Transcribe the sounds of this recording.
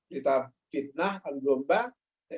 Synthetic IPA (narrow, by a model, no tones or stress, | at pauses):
ɾit̪a | fit̪̚nahanɡomba